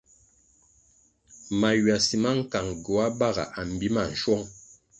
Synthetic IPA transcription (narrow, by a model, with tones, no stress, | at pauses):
ma˨ɥa˨si˨ma˦ŋ̩˦ka˨ŋɡo˨a˦ba˦ɣa̰˨ʔa˨m̩˨bi˦ma˦˨n̩˨ʃwɔ˦ŋ